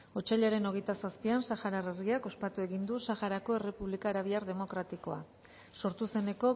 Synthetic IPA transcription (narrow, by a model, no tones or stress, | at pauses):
o̞t͡ʃaʎaɾe̞no̞ɣe̞jt̪asaspiansaxaɾarerɣiako̞spat̪ue̞ɣind̪usaxaɾako̞e̞re̞puβlikaːɾaβ̞iaɾðe̞mo̞kɾat̪iko̞a | so̞ɾt̪use̞ne̞ko̞